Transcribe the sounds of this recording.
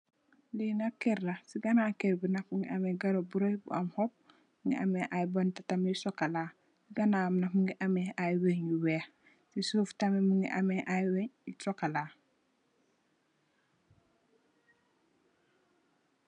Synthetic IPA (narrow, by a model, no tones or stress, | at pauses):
linakeɾːasiɡanakeɾbinakmuŋɡiʔameɡaɾobuɾojbṵamhop̚ | mŋɡḭa̰meʔajbantatamejusokala | siɡanamnakmuŋɡiʔameajweɲjuweː | sisuːftamemuŋɡiʔa̰meʔajweɲjusokalaː